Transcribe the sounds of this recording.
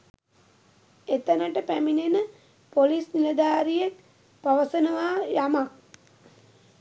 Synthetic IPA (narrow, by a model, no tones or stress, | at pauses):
et̪ənəʈəpæminenə | polisniləd̪aːɾijek | paʋəsənəʋaːjamak̚